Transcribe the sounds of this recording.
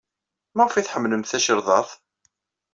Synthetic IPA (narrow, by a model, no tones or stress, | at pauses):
mæʁfiθħəmːləmθæʃəɾðˤɑθ